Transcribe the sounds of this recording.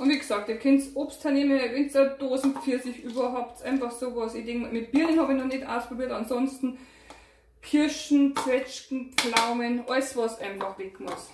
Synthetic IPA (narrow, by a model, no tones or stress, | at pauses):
ʔʊntʋiːɡsɑːktiːɐkʰɛntsʔoːpstʰaɐneːməvɛntəd̥oːzn̩fiɐsɪçʔyːbɐɦaʊptʔaɪnfɑχsoːʋɑsidɪŋmɪt̚b̥iːʁənhɑːbɪçnɔχnɛtʔa̰ʊspʁ̥obiːɐtɑnzɔnstn̩ | kʰɪɐʃn̩t͡sʋɛt͡ʃkn̩p͡flaʊmənʔɔɪsvɑsʔaɪnfɑχʋɛkmʊs